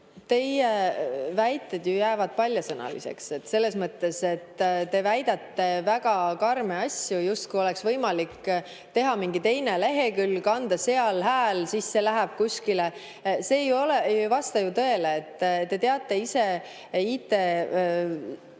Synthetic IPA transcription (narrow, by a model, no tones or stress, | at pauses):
t̪e̞jevæjt̪ːˑed̪̥jujæːvɑd̪̥̚pɑlʲjɑsɤnɑ̰lḭse̞̰kse̞t̪ːse̞lːe̞smɤt̪ːe̞se̞t̪ːt̪e̞væjd̪ɑt̪ːe̞væɡɑkɑrmeɑsʲjujust̪̚kujo̞leksvɤ̞jmɑlik | t̪e̞ɦɑmiŋɡit̪e̞jne̞le̞ɦe̞kylːkɑnd̪̥ɑse̞ɑlɦæːlsisːe̞læɦæb̥̚kusʲkile | seːjo̞leejvɑst̪ɑjut̪ɤ̞eleːt̪ːt̪ːe̞t̪eɑt̪ːˑe̞ise̞ | iːt̪ːˑe̞